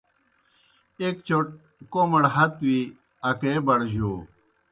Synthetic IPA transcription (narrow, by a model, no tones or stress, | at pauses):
ekt͡ɕoʈ̚ | komɐɽɦɐt̪wi | ɐkeːbɐɽʑoː